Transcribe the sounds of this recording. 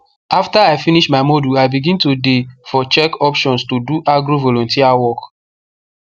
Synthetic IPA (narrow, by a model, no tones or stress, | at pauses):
aftaaɪfiniʃmaɪmɔduaɪbiɡĩntudefɔt͡ʃɛkɔpʃɔ̃nstuduʔaɡɾovɔlɔ̃ntiawɔk